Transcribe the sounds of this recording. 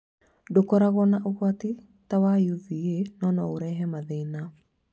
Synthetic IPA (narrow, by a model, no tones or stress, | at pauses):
dokɔɾaɣɔnaʔoɣwati | tawajuðienɔnɔoɾɛːɦɛmaðena